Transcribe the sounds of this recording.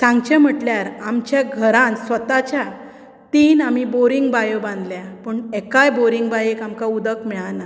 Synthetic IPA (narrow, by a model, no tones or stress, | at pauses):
t̪ʰãŋɡt͡ɕem̤əʈljaɾamt͡ɕjaɡʱəɾãnsʋət̪at͡ɕja | t̪iːnamiboɾiŋɡbajəbãnd̪ljapəɳekajboɾiŋɡbajekamkaud̪əkmɛɭana